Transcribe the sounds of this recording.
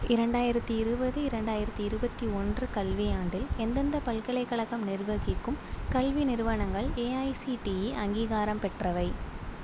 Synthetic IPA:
ʔɪɾɐɳɖaːjɪɾɐt̪ːiɪɾɯbɐðɯɪɾɐɳɖaːjɪɾɐt̪ːiɪɾɯbɐt̪ːiɔndrɯkɐlʋijaːɳɖɪlɛnd̪ɐnd̪ɐpɐlkɐɭɐɪkːɐɭɐkːɐmnɪrʋɐɣɪkːɯmkɐlʋinɪɾɯʋɐɳɐŋɡɐɭeːɐɪsiʈijiʔɐŋɡiːɣaːɾɐmpɛʈrɐʋɐɪ

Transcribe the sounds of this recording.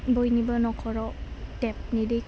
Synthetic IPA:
bɔjnibɔnɔkʰɔɹɔtɛp̚nidɯj

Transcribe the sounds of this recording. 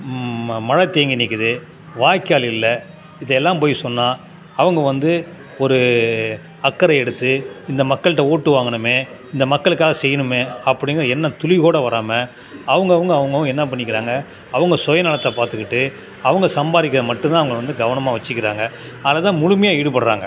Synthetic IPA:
mɐɻɐt̪ːeːŋɡɪnɪkːɯðɯ | ʋaːjkːɪjaːlɪlːɐ | ɪðɐɛlːãːmpoːjsɔnːaː | ɐʋɐŋɡɐʋɐnd̪ɯ | ɔɾɯ | ɐkːɐɾɐɛɽɯt̪ːɯɪnd̪ɐmɐkːɐɭɯʈːɐoːʈːɯʋaːŋɡɐɳɯmeː | ɪnd̪ɐmɐkːɐɭɯkːaːɣɐsɛjːɐnɯmeːɐpːɐɽɪŋɡɐɾɐɛnːɐt̪ʊlɪɣoːɽɐʋɐɾaːmɐ | ɐʋɐŋɡɐʋɐŋɡɐːʋɐŋɡɐʋʊ̃ɛnːɐp̬ɐɳːɪk̬ːɪɾaːŋɡɐ | ɐʋɐŋɡɐsɔjɐnɐɭɐt̪ːɐpaːɾt̪ɯkːɪʈːɯ | ɐʋɐŋɡɐsɐmbaːðɪk̬ːɐðɐmɐʈːɯ̃nt̪ãːɐʋɐŋɡɭɐʋɐnd̪ɯɡɐʋɐɳɐmaːʋɐt͡ʃːɯkːɪɾaːŋɡɐ | ɐlɐt̪ãːmʊɻʊmɐjaːɛːɽɯpɐɽɯɾa̰ːŋɡɐ̰

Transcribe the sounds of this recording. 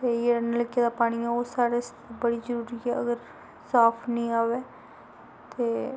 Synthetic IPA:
t̪eːjeːɾənləɡiad̪aːpaːɽ̃iɛoːsaːɾest̪ebəɽizəɾuːɾiɛːə̰ɡəɾ | saːpʰnəĩːaːʋeː | t̪eː

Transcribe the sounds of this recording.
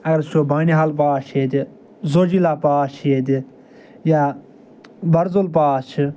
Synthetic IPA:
ɐɡɐɾt͡ʃʰoːbaːniɦalp̬aːʃʰeːd̪i | zoːd͡ʒilaːpaːt͡ʃʰeːd̪i | jaː | bɐɾzolp̬aːt͡ʃʰi

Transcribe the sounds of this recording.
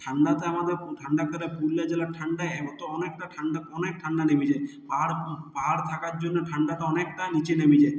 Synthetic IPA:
ʈʰaɳɖat̪eamad̪ʱeɾʈʰaɳɖakɔɾepulːad͡ʒɛlaʈʰaɳɖaɔt̪ɔɔnekʈaʈʰaɳɖaɔnek̚ʈʰaɳɖanebid͡ʒepaɦɾpaɦaɾt̪ʰakaɾd͡ʒonːɔʈʰaɳɖataɔnek̚ʈanit͡ʃenebid͡ʒe

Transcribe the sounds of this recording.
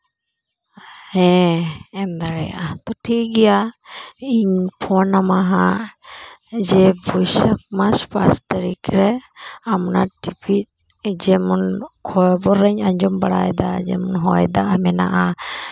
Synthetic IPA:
hɛ̃ | ɛmd̪aɾɛja̰ʔat̪ɔʈʰiɡɛja | iɲpʰɔnamaɦaʔ | d͡ʒɛbujsak̚maspʰast̪əɾikɾɛamnaʈipit̪̚ | d͡ʒɛmɔnkʰɔjbɔɾɛɲaɲd͡ʒɔmbaɽa̰jd̪ad͡ʒɛ̰mɔnɦɔjd̪aʔmɛna̰ʔa

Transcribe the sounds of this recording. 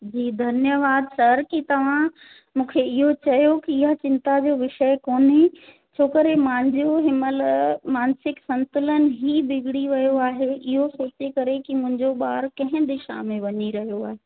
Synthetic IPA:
d͡ʑiːd̪ʱɐnjəʋaːd̪sɐɾkit̪ɐʋ̤ã | mũːkʰeɪɦot͡ɕɐjokiɪɦat͡ɕɪ̃nt̪ad͡ʑoːʋɪʃəjkoːne | t͡ɕʰoːkɐɾemãːnd͡ʑoɦɪməlmaːnsɪksɐ̃nt̪ʊlənɪ̆ɦibɪɡʱɽiʋɐjoaːɦeʔɪɦosoːt͡ɕekɐɾekimʊ̃ɦɪ̃ɲd͡ʑoɓaːɾkɐ̃ɦɪ̃d̪ɪʃa̰ːmẽlʋɐɲiɾɐɦijoaːɦeː

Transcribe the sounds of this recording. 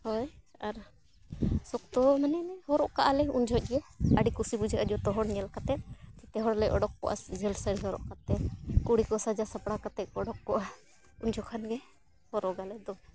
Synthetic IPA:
hɔjaɾ | sɔkt̪ɔmanɛnɛhɔɾɔʔkaʔalɛuɲd͡ʒʱɔc̚ˀɡɛjaəɖikusibud͡ʒaʔad͡ʒɔt̪ɔɦɔɽɲɛlkat̪ɛt̪̚t͡ʃɛt̪ɛɦɔɽlɛʔɔɖɔk̚kɔ̰ʔa̰sd͡ʒɛlsəɽiɦɔɾɔ̰ʔkat̪ɛt̪̚kuɽikɔsad͡ʒasapɽakat̪ɛt̚ɔɽɔk̚ːɔʔa | uɲd͡ʒʰʱɔkʰanɡɛ | hɔɾɔʔɡalɛd̪ɔ

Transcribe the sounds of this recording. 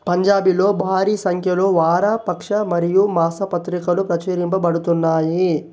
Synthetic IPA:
pɐɲd͡ʒaːbilo̞ːbʱaːɾiːsɐŋkʰjɐlo̞ːʋaːɾaːpɐkʂɐmɐɾijumaːsɐpɐt̪ɾikɐlupɾɐt͡ʃɐːɾimpɐbɐɽut̪unːaːji

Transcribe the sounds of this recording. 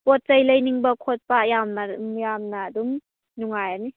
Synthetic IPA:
pot̚sɐjlɐjniŋbɐkʰot̚pɐːjamnɐmjamnɐːdum | nuŋajani

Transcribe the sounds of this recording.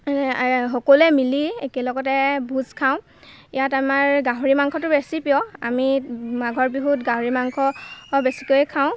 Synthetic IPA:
xɔkɔlɛmiliekɛlɔɡɔtɛbʱuzkʰaʊ̃ | ijatamaɹɡaɦoɹimaŋkʰɔtʊbesipijɔa̰mimaɡʱɔɹbiɦutɡaɦoɹimaŋkʰɔbesi̥kojkʰaʊ̃

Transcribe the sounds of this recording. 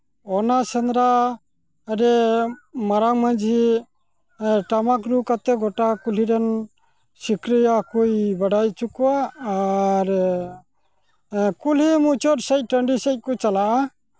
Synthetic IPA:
ɔnasɛnɾa | əɾɛ | maɾaŋmand͡ʒi | ʈamak̬ɾukat̪ɛɡɔʈakuliɾɔn | sikɾijakujbaɖajt͡ʃukuwaː | ɾ | kulimut͡ʃɔɾsɛc̚ˀʈəɳɖisɛc̚kɔt͡ʃalaʔa

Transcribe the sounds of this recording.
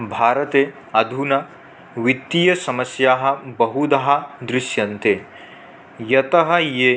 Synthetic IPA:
bʱaːɾɐt̪eː | ɐd̪ʱunɐ | ʋit̪ːijɐsɐmɐsjaːɦɐ̆bɐɦud̪ɐɦɐ̆d̪ɾɪʃjɐnt̪eː | jɐt̪ɐɦɐjeː

